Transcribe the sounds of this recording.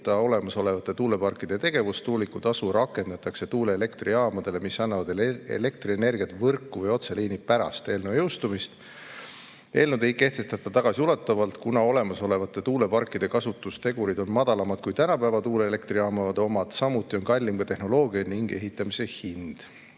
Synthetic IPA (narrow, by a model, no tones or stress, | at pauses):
t̪ɑo̞le̞mɑso̞le̞vɑt̪ːˑe̞t̪uːle̞pɑrkːˑid̪̥e̞t̪e̞ɡ̥e̞vust̪uːlikːˑut̪ɑsuɾɑkːˑe̞nd̪ɑt̪ːˑɑkse̞t̪uːle̞ːle̞kt̪riɑːmɑd̪̥e̞le̞misɑnːɑvɑd̪̥ḛle̞k̚t̪riene̞rɡ̥iɑt̪ˑvɤrkːuvɤjo̞t̪seliːnipæɾɑ̰st̪e̞ːlnevjewst̪umist̪ | e̞ːlnud̪e̞jke̞ht̪e̞st̪ɑt̪ːˑɑt̪ɑɡ̥ɑsiulet̪ːˑɑvɑlt̪kunɑo̞le̞mɑso̞le̞vɑt̪ːˑe̞t̪uːle̞pɑrkˑːid̪̥e̞kɑsut̪ːˑust̪e̞ɡ̥uɾid̪̥o̞nmɑd̪̥ɑlɑmɑd̪̥̚kujt̪ænɑpæevɑt̪uːle̞ele̞kt̪riɑːmɑvɑd̪̥omɑd̪̥sɑmut̪ˑːio̞nkɑlʲːimɡ̥ɑt̪e̞hno̞lo̞ːɡ̥iɑniŋɡ̥e̞̰ɦit̪ːˑɑmise̞hind̪̥